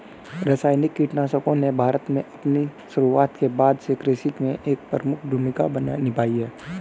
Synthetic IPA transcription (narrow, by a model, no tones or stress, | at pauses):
ɾəsaːjnɪkːiːʈnaːsəkõnebʱaːɾət̪mẽʔɐpniʃʊɾuaːt̪kebaːd̪sekɾeːsɪʈmẽʔeːk̚pəɾəmʊkʰd̪ʱʊmɪka̰bənnɪpaːiɦɛː